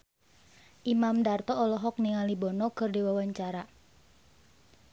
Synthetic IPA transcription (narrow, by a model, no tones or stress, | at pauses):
ʔimamdart̪ɔːlɔɦɔk̚niŋalibɔnɔkɨrdiwawaɲt͡ʃaɾa